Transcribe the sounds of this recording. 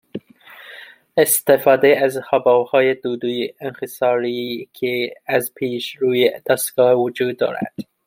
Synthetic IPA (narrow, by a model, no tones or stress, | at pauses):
est̪efɑːd̪eæzhɒbɒwhɑːjed̪uːd̪ujenxesɑːɾikʰeæzpʰiːʃɾuːjed̪̥ɒst̪ɡ̥ɑːwʊd͡ʒuːd̪ːɒ̰ːɾæ̰d̪̥